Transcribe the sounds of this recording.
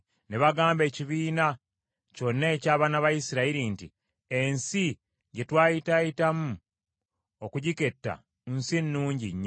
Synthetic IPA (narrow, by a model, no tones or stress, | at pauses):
neβaɡaːmbe̞ːciβiːna | co̞nːeːcaːβanaβajisiɾaiɾinti | ensi | ɟe̞twaːjitajitamu | okuɟike̞tːa̰ | nsinːuːɲɟḭɲːa